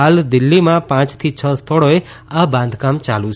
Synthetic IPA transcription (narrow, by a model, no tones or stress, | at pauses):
ald̪ɪlːimãpãt͡ʃt̪ʰit͡ʃʰəst̪ʰəɽoe | abãnd̪ʱkamt͡ʃalũt͡ʃʰ